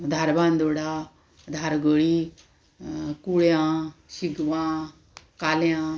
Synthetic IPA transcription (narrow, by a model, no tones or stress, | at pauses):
d̪ʱaɾbãːnd̪oːɽa | d̪ʱaɾɡoːɽiː | kuːɭjãːʃiɡʋãː | kaːljãː